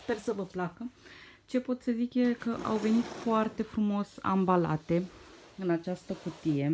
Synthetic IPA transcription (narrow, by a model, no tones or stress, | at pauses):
spersəvəplakə | t͡ʃe̞po̞t̪səzikjekəʔa̰wve̞nit̪foart̪e̞fɾumo̞sa̰mbala̰t̪e̞ | ɨnat͡ʃast̪əkut̪ije̞